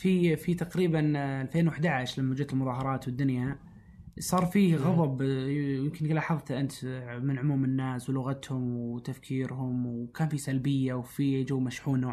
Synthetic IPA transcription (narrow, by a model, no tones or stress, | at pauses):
fifit̪aqɾiːbanalfeːnwaħd̪aʕaʃlamːad͡ʒt̪ɪlmʊðˤɑːɦɑɾˤɑːt̪wɪd̪ːʊnja | sˤɑːɾˤfiːɣɑðˤɑbjɪmkɪnɡlaːħɑðˤt̪ʔɪnt̪mɪnʕʊmuːmɪnːaːswlʊɣat̪hʊmwt̪afkʰiːɾhʊmwkaːnfisalbɪjːawfid͡ʒawmaʃħuːnːoː